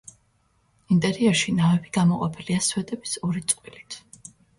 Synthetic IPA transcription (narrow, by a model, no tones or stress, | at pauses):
int̪ʼɛɾiɛɾʃinavɛbiɡ̥amɔqʼɔpʰiliaswɛt̪ʼɛbisɔɾit̪sʼqʼwilit̪ʰ